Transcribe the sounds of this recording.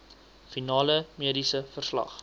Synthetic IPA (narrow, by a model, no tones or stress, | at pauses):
finɑːləmiədisəfərslɐ̰χ